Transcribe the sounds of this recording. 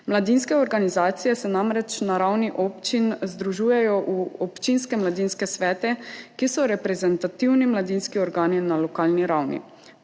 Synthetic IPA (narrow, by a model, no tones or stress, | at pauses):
mlad̪inskɛɔɾɡanizaːt̪sijɛsɛnamɾɛt͡ʃnaɾawniʔɔːpt͡ʃinzd̪ɾuʒuːjɛjɔʔuɔpt͡ʃinskɛmlad̪inskɛsʋɛːt̪ɛkisɔɾɛpɾɛzɛnt̪at̪iwnimlad̪inskiɔɾɡaːninalɔkaːlniɾawnḭ